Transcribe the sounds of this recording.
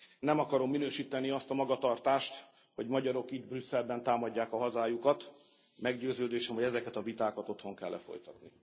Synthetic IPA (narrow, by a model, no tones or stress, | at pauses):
nɛmɒkɒɾo̞mːinøːʃiːt̪ɛniɒst̪ɒmɒɡɒt̪ɒrt̪aːʃt̪ | ho̞ɟmɒɟɒɾo̞kid̪brysːɛlbɛnt̪aːmɒɟːaːkɒɦɒzaːjukɒt̪ | mɛɡɟøːzøːd̪eːʃɛmɒɟɛzɛkɛt̪ɒvit̪aːkɒt̪o̞t̪ho̞ŋkɛ̰lːɛ̰fo̞̰jt̪ɒt̪ni